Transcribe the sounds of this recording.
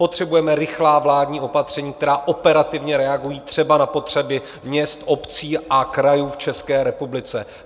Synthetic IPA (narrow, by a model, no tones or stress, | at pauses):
pot̪r̝̥ɛbujɛmɛɾɪxlaːvlaːdɲiːʔo̞pat̪r̝̥ɛɲiːk̚t̪ɛɾaːʔo̞pɛɾat̪ɪvɲɛɾɛaɡujiːt̪r̥ɛbanapo̞t̪r̝̥ɛbɪ | mɲɛst̪ʔo̞pt͡siːʔakɾajuːft͡ʃɛskɛːɾɛpublɪt͡sɛ